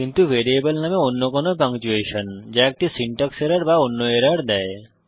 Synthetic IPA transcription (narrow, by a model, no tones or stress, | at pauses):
kint̪ubʱeɾiebolnameonːokonopaŋt͡ɕueʃond͡ʑaek̚ʈisiɳʈɔkseɾaɽbaonːoeɾaɽd̪ɛe